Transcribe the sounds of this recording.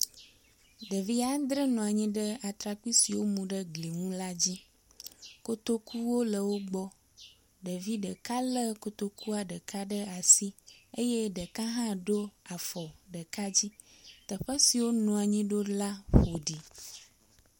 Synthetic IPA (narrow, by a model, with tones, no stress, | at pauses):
ɖ̪ə˨vi˦a˦d̪ɾə˦nɔ̃˨a˨ɲĩ˦ɖə˦a˨t̪ɾa˨ki˦si˨wo˦mũ˨ɖə˦ɡli˨ŋũ˦la˦d͡ʑi˦ | ko˦t̪o˦ku˦wo˦lə˨wo˦ɡ͡bɔ˦ | ɖə˨vi˦ɖə˨ka˦lə˦ko˦t̪o˦ku˦a˨ɖə˨ka˦ɖə˦a˨si˦e˦je˦ɖə˨ka˦ɦã˦ɖo˦a˨fɔ˨ɖə˨ka˦d͡ʑi˦ | t̪ə˨ɸə˦si˨wo˦nɔ̃˨a˨ɲĩ˦ɖo˦la˦ɸo˨ɖi˨